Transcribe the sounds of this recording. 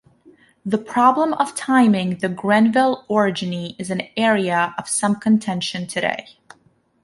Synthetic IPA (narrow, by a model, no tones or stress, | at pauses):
ðəpʰɹ̥ɑblə̃mʌv̥tʰãɪ̃mɪ̃ŋðɨɡɹɛ̃nvɪlˠɔɹɨd͡ʒɨniɨzɨ̃nɛɹiɨʌv̥sʌ̃mkʰɨ̃ntʰɛ̃nʃɨ̃ntʰɨɾḛɪ